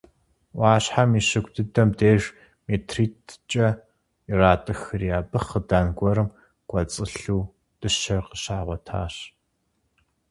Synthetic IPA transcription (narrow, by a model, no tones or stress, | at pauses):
waːɕħamiːɕɪɡʷdʰɨdɐmdeːʒ | meːtʰriːtʰt͡ʃʼɐ | iraːtʼɨxɨrijaːbɨχədaːnɡʷɔɾɨm | ɡ̥ʷʼɐt͡sʼɨɬuː | d̥ʼɨʃɐrqəɕaːʁʷɔtʰa̰ːɕ